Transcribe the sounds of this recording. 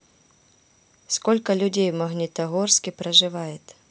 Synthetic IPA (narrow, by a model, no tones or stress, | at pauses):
skolʲkɐlʲʊdʲejmɐɣnʲɪt̪ɐɣorskʲɪpɾɐʐɨvajɪt̪